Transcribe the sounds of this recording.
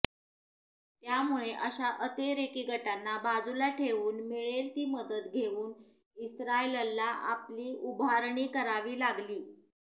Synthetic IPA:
t̪jamuɭeʔəɕaʔət̪eɾekiːɡʱəʈanːabad͡zulaʈʰeʋuːnmiɭelt̪iːməd̪ət̪ɡʱeʋuːn | isɾailəlːaʔapliːubʱaɾɳiːkəɾaʋiːlaɡliː

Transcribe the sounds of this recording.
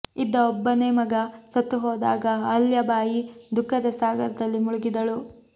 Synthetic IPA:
id̪ːɐɔbːɐneːmɐɡɐsɐt̪ːuɦɔːd̪a̰ːɡɐɦɐljɐbaːjid̪ukːɐd̪ɐsaːɡɐɾɐd̪ɐlːimuɭuɡid̪ɐɭu

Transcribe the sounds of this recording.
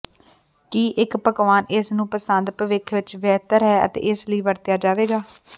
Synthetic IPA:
kiːʔɪkpəkʋaːnɪsnũːpəsənd̪pəʋɪkʰʋɪt͡ʃʋɛːt̪əɾɦɛːə̰t̪ḛːɪsləiːʋəɾt̪jaːd͡ʒaːʋeːɡaː

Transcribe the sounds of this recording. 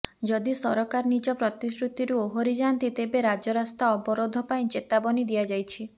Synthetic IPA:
d͡ʒɔd̪isɔɾɔkaɾnid͡ʒɔpɾɔt̪isɾut̪iɾuoɦoɾid͡ʒant̪it̪ebeɾad͡ʒɔɾast̪aɔbɔɾod̪ʱɔpaĩt͡ʃet̪abɔnid̪ijad͡ʒajt͡ʃʰi

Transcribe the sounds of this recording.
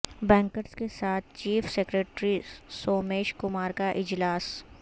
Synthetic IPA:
bɛ̃ːŋkəɾskesaːt̪ʰt͡ʃiːfseːkɾeːʈɾisoːmeːʃkʊmaːɾkaʔɪd͡ʒlaːs

